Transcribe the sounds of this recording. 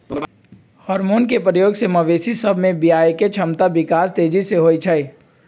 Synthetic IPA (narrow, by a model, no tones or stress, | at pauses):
hɔːɾmoːnkepɾəjoːɡsemɐʋeːsisɐbʱmẽbijaːjket͡ʃʰɐmt̪abɪkaːst̪eːd͡ʒiseɦoːit͡ʃʰɐe